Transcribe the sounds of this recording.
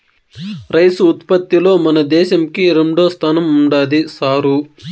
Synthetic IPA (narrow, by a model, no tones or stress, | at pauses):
ɾɐjsuːt̪pɐt̪ːilo̞ːmɐnɐd̪ɛːʃɐmkiɾeɳɖoːst̪ʰaːnɐmuɳɖaːd̪isaːɾu